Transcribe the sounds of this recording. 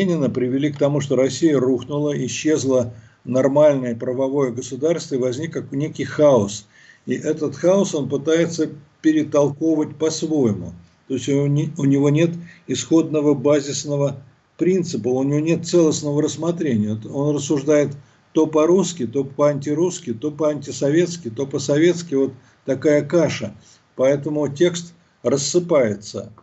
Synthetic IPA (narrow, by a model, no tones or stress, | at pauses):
enʲɪnəpɾʲɪvʲɪlʲikt̪ɐmuʂt̪o̞ɾɐsʲijəruxnʊlˠəɪɕːe̞zlˠə | nɐrmalʲnəjəpɾəvɐvo̞jəɡəsʊd̪arst̪vəɪvɐzʲnʲikknʲekʲɪjxaʊs | iʔɛt̪ət̪xaʊso̞npɨt̪ajɪt̪səpʲɪɾʲɪt̪ɐlˠkovət̚ʲpɐsvo̞jɪmʊ̰ | t̪o̞ɪsʲʊnʲɪvo̞nʲe̞t̪ɪsxo̞d̪nəvəbazʲɪsnəvə | pɾʲint̪sɨpəʊnʲɪvonʲe̞t̪̚t̪sɛlˠəsnəvəɾəsmɐt̪ɾʲenʲɪjəo̞nrəsːʊʐd̪ajɪt̪ː | o̞pɐɾuskʲɪt̪o̞pəɐnʲtʲɪɾuskʲɪt̪o̞pəɐnʲtʲɪsɐvʲe̞t̪skʲɪt̪o̞pəsɐvʲe̞t̪skʲɪvo̞t̪ː | ɐkajəkaʂə | pɐɛt̪əmʊtʲe̞kst̪ | rəsːɨpajɪt̪sə̰